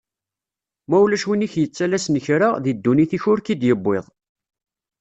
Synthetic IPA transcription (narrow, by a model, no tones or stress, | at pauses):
mæulæʃwiniçjət͡sːælæsnəçɾaðid̪ːuniθiçʊɾkid̪jəbːeðˤ